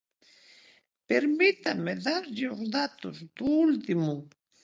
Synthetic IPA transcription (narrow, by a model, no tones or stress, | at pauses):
peɾmɪt̪amɪðaɾʎoχd̪at̪ʊst̪ʊːlt̪ɪmʊŋ